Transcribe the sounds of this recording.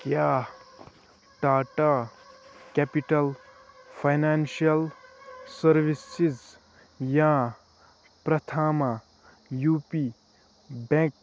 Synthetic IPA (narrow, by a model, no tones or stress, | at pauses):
kja | ʈaːʈa | kɛpiʈɐlpʰajnanʃiɐlsɐɾʋisiz | jã | pɾɐt̪ʰaːma | juːpi | bẽk̚